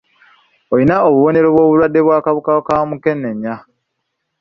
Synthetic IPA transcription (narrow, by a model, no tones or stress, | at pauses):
ojinaoβuβo̞ne̞ɾo̞βwo̞ːβulwadːe̞βwaːkaβukakamuke̞nːe̞ɲːa